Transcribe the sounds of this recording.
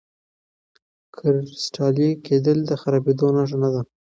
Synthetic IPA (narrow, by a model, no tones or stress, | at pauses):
kʰɪɾsʈɑljekʰed̪əld̪əxaɾɑbed̪onaʂ̬anad̪a